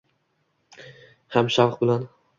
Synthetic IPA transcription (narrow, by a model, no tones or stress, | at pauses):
hamʃavqbɪlan